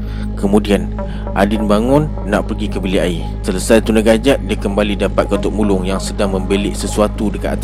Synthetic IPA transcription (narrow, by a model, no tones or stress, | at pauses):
kəmũdian | ʔadɪnbaŋʊnːaʔpərɡikəbiliai | sələsajt̪unaɡad͡ʒaʔ̚diakəmbalidapat̪̚kaunt̪ʊk̚mulʊŋjaŋsədaŋmə̃mbelɪʔsəsuat̪udəkat̪at̪